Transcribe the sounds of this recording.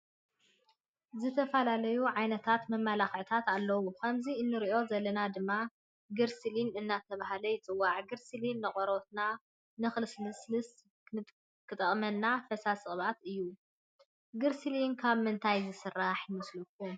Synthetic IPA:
zɨt̪ʰɐfɐlalɐjuʕajnɐt̪ʰat̪mɐmːalaxʕt̪ʰat̪alːɐwukʰɐmziɨnːɨɾiʔo̞zɐlːɐnad̪ɨmːa | ɡɨɾsɨlinɨnːat̪ʰɐβaɦalɐjɪt͡sʼɨwːaʕɡɨɾsɨlinːɨχʼɔɾot̪na | nɨxlɨslɨslɨs | kʰɨt̪ʼɐχʼmɐnːafɐsasʼɨχʼβat̪ɨjːu | ɡɨɾsɨlinkʰaβmɨnt̪ʰajzɨsɨrːaħjɪmɨslukʰːu

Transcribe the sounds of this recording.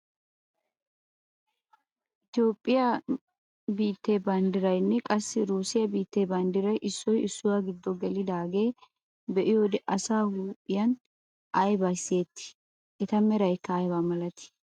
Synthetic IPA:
ʔɪt̪jo̞ːpʼːɪjɐ | biːt̪ːeːbɐnd̪ɪɾɐjnːɛkʼɐsːɪɾuːsɪjɐbiːt̪ːeːbɐnd̪ɪɾɐjʔɪsːɔjɪsːʊwaːɡɪd̪ːɔɡɛlɪd̪aːɡe̞ː | bɛʔɪjoːd̪ɛʔɐsaːhuːpʼːɪjɐn | ʔɐjbaseːt̪ːɪ̥ | ʔɛt̪ɐmɛɾɐjkːɐːjbamɐlɐt̪ɪ̥

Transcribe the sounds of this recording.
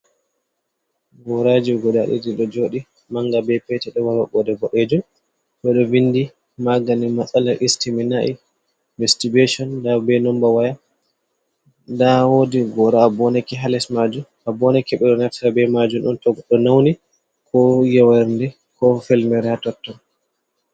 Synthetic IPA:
ɡɔɾad͡ʒiɡɔdaɗḭdiɗɔd͡ʒoːɗi | maŋɡabɛpɛtɛɗɔwaɾaɓɔdɛbɔɗed͡ʒum | ɓɛɗɔindi | maɡanimasalaʔistiminaʔi | vɛstiɡeʃɔndabɛnɔmbawaja | ndawoːdiɡɔɾaːbɔnɛkɛɦalɛsmad͡ʒum | abɔnɛkɛɓɛɗɔnaftabɛmad͡ʒumɗɔntɔɡɗɔnawni | kɔjawaɾndɛ | kɔfɛlmɛɾɛatɔtːɔn

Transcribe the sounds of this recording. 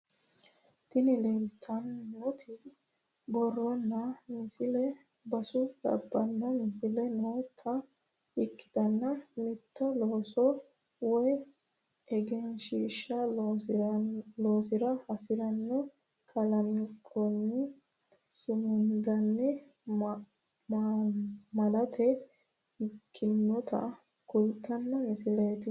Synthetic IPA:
t̪ɪnɪlelt̪ʰɐnːɔt̪ʰɪ | bɔrːɔnːɐmɪsɪlɛ | bɐsʊlɐ̰bːɐnːɐmɪsɪlɛnɔt̪ʰɐ | ɪkːɪ̥d̪̥ɐnːɐmɪt̪ʰːɔloːsɔ | wɔj | ɛɡɛnʃiːʃːɐ | loːsɪɾɐhɐsɪɾɐnːɔ | kʰɐlɐmkʰʼɔnːɛ | sʊmʊnd̪ɐnːɛ | mː | mɐlɐt̪ʰɛ | ɪkʰːɪnːɔt̪ɐ̰ | kʊlt̪ːɐnːɐmɪsɪleːt̪ɪ

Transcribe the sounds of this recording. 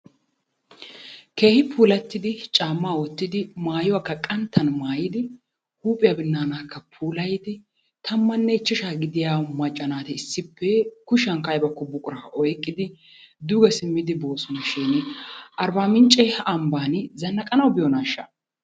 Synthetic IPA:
ke̞ːhɪpʰuːlɐt̪ːɪd̪ɪt͡ʃʼaːmːaːwɔt̪ːɪd̪ɪmaːjɔwakːɐkʼɐnt̪ʰːɐnmaːjɪd̪ɪ | huːpʼːɪjɐbɪnːaːnaːkːɐpʰuːlɐjɪd̪ɪ | t̪ʰɐmːɐnːɛɪt͡ʃːɛʃaːɡɪd̪ɪjaːmɐt͡ʃʼːɐnaːt̪ɛɪsːɪpːɛkʊʃɐŋkɐjbɐkːɔbʊkʼʊɾɐʔɔjkʼːɪd̪ɪ | d̪ʊɡɐsɪmːɪd̪ɪbo̞ːsɔnɐʃiːnʔɐɾbaːmɪnt͡ʃʼɛhɐɐmbaːnzɐnːɐkʼɐnɐwbɪjɔnaːʃːɐ̰

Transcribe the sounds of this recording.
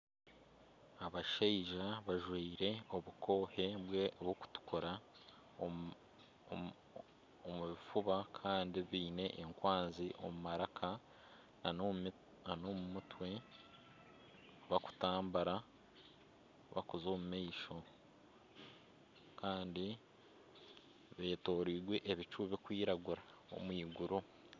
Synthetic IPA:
aβaʃeiʒaβaʒwiːɾe̞o̞βuko̞ːhe̞βweβwoku̥tu̥kʰoɾa | omuβifuβakʰaːndiβiːne̞ʔːŋkwaːnziʔo̰mumaɾakʰa | nanomumutwe̞ | βaku̥taːmbaɾa | βa̰kuzoːmumaiʃo̞ | kaːndi | βe̞ːto̞ːɾiːɾɡwe̞ʔeβit͡ʃuβikwiːɾaɡuɾa | o̰mwiːɡuɾu

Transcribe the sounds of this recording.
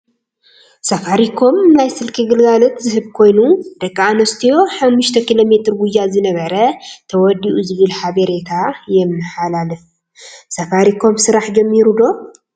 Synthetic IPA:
safaɾikʰo̞mnajsɨlkʰiɡɨlɡalɐt̪zɨhɨβkʰo̞jnud̪̥ɐkʼːanost̪ʰijo̞ħamːuʃt̪ʰɐkʰilo̞me̞t̪ɾɡujazɨnɐβɐɾɐt̪ʰɐwɔd̪ːiʔuzɨβɨlħaβɐɾet̪ʰajɛmnɨħalalɨf | safaɾikʰo̞msɨɾaħd͡ʒɐmːiɾud̪o̞

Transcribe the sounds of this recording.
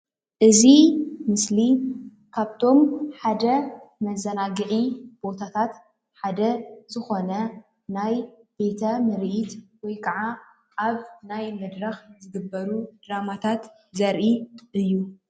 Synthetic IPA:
ʔɨzimɨsli | kʰaβt̪ʰo̞mħad̪ɐmɐzɐnaɡɨʕib̥o̞t̪ʰat̪ʰat̪ | ħad̪ɐzɨxo̞nɐ | najb̥e̞t̪ʰɐmɨɾʔit̪wɔjkʰɐʕa | ʔaβnajmɨd̪ɾɐxzɨɡɨbːɐɾud̪̥ɾamat̪ʰat̪ | zɐɾʔiʔɨjːu

